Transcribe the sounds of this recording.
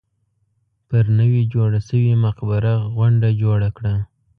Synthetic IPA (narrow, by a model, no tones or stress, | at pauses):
pəɾnəwid͡ʒoɽasəwimaqbaɾaɣwaɳɖad͡ʒoɽakɽa